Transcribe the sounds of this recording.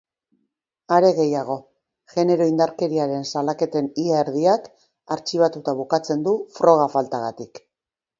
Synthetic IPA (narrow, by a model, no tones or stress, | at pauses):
aɾe̞ɣe̞jaɣ̞o̞ | ʝe̞ne̞ɾo̞ind̪aɾke̞ɾiaɾe̞nsalake̞t̪e̞niaeɾðiak | aɾt͡ʃiβ̞at̪ut̪aβ̞ukat͡se̞nd̪ufɾo̞ɣ̞afalt̪aɣat̪ik